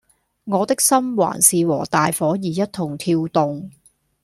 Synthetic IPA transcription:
ŋɔː˨˧t̪ɪ˥k̚sɐ˥mwa̰ː˨˩nsiː˨wɔː˨˩t̪aː˨jfɔː˨˥jiː˨jɐ˥t̚t̪ʰʊ˨˩ŋt̪ʰiː˧wt̪ʊ˨ŋ

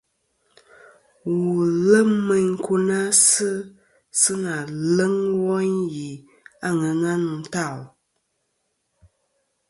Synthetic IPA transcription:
wu˨lə˦mmə˨ŋ̩˦ku˦na˦sɨ˦ | sɨ˦na˨lə˦ŋwɔ˦nji˨ | a˦˨ŋə˨na˦n˨n̩˨ta˦˨l

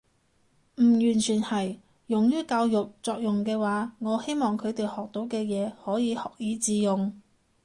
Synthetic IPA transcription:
m̩˨˩jyː˨˩nt͡ʃʰyː˨˩nhɐ˨˩j | jʊ˨˩ŋjyː˥kaː˧wjʊ˨k̚t͡sɔː˨k̚jʊ˨ŋkɛː˧waː˨˥ŋɔː˨˧he˥jmɔː˨ŋkʰɵ˨˧ɥt̪e˨jhɔː˨k̚t̪o˨˧˥wkɛː˧jɛː˨˧hɔː˨˥jiː˨˧hɔː˨k̚jiː˨˥t͡siː˨˧jʊ˨ŋ

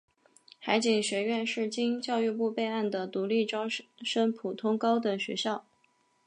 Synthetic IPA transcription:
xa˧˥ɪt͡ɕi˨˩ŋɕɥɛ˧˥ɥɛ˥˧nʂɻ̩˥˩t͡ɕi˥ŋt͡ɕjɑ˥˧ʊy˥˧pu˥˧pe˥˧ɪa˥˩nd̪ə˩t̪u˧˥li˥˩ʈ͡ʂɑ˥ʊʂə˥npʰu˨˩t̪ʰʊ˥ŋkɑ˥ʊd̪ə˨˩ɕɥɛ̰˧˥ɕjɑ˥˩ʊ

